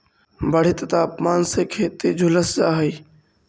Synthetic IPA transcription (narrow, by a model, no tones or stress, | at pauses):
bəɽ̤ɪt̪t̪aːpmaːnseːkʰeːt̪ed͡ʒʱʊləsd͡ʒaːɦəiː